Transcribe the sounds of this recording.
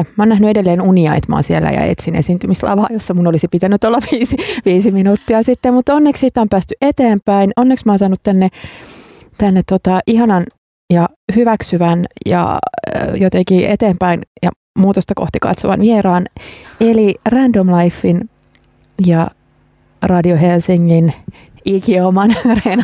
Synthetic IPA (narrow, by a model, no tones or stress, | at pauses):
mæoːnæhnyedelːeːnuniɑit̪mɑ̰ːnsielːæ̰jɑ̰ḛt̪sinesiːnt̪ymislɑ̰ʋɑ̰ːjosːɑmunolisipit̪ænːyt̪olːɑʋiːsiʋiːsiminuːt̪ːiɑsit̪ːemmut̪onːekssit̪ːompæːst̪yʔet̪eːmpæinonːeksmɑːnsɑːnut̪tænːe | t̪ænːet̪tːot̪ɑʔiɦɑnɑn | jɑ | hyʋæksyʋænjɑ̰jot̪ekiːʔḛt̪eːmpæinjɑ̰ | muːt̪ost̪ɑkoht̪ikɑ̰t̪soʋɑ̰nʋieɾɑːnelirændomlɑifːin | jɑ | rɑdioɦelsiŋːin | ikiomɑnːren